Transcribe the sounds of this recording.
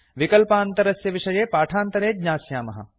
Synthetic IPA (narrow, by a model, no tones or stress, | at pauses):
ʋikɐlpaːnt̪ɐɾɐsjɐʋiʂɐjeːpaːʈʰaːnt̪ɐɾeːd̪ɲaːsjaːmɐɦɐ̰